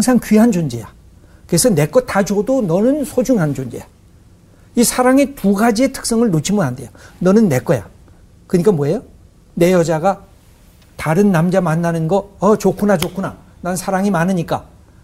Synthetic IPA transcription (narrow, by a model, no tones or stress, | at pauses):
ŋsʰaŋkɥiɦand͡ʑond͡ʑeja | kɯesʰʌne̞k͈ʌtad͡ʑʌdonʌnɯnsʰod͡ʑuŋɦand͡ʑond͡ʑeja | isʰaɾaŋetuɡad͡ʑie̞tʰɯ̥k̚s͈ʌŋɯɭnot͡ɕʰimɯnɦandejonʌnɯnːe̞k͈ʌja̰ | kɯɲik͈amwoʌejo | ne̞jʌd͡ʑaɡa | taɾɯnːamd͡ʑamanːanɯnɡʌʌt͡ɕokʰunat͡ɕokʰuna | naɯnsʰaɾaŋimanɯɲik͈a